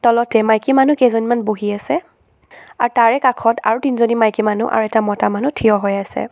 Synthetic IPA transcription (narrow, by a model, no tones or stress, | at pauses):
tɔlɔtɛmajkimanukezonimanboɦiasɛ | aɹtaɹɛkakʰɔtʰa̰ɹutinzonimajkimanṵʔa̰ɹuɛtamɔtamanutʰijɔɦɔjasɛ̰